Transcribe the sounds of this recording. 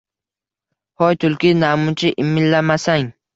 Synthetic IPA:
hɒjt̪ʰʊlˠkʲɪnamʊt͡ʃʰɪʔɪmːɪlːamasaŋ

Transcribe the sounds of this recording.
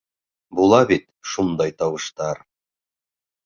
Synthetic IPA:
bulˠɑbit̪ʃund̪ɑjt̪ɑwɤ̆ʃt̪ɑɾ

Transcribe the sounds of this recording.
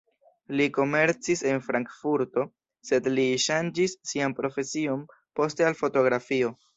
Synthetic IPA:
liko̞me̞ɾt͡sise̞nfɾaŋkfuɾto̞ | se̞dliʃand͡ʒisːianpɾo̞fe̞sio̞n | po̞ste̞alfo̞to̞ɡɾafio̞

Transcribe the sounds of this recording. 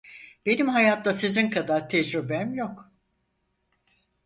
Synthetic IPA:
b̥e̞nimhajat̪lˠasizinkʰad̪aɾt̪ʰɛd͡ʒɾybɛmjok

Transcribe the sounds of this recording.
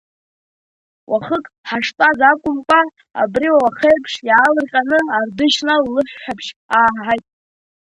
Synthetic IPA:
wʔaχəkʼħaʂtʼazakʷʼʊmkʷʼa | a̰briwawaχejpʰʂjaːlɨrqʲʼanɨardɨʃnalːɨħʷᶣħᶣapʰʂaːħajtʼ

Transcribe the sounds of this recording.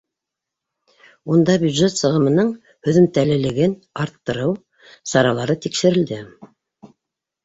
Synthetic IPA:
und̪ɑbʲjud̪ʒet̪sɤ̆ʁɤ̆mɤ̆nɤɴ | hɵ̆ðɵ̆mt̪ælɘ̆lɘ̆ɡɘn | ɑɾt̪ːɤ̆ɾɤw | sɑɾɑlˠɑɾɤt̪ikʃɘ̆ɾɘ̆ld̪ɘ

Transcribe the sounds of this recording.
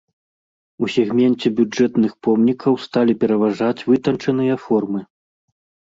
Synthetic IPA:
usʲɛɣmʲɛnt͡sʲɛbʲud͡ʐɛt̪nɨxpɔmnʲikʰɐwst̪alʲipʲɛɾɐvaʐat͡sʲvɨt̪ɐnt͡ʂɐn̪ɨjɐfɔrmɨ

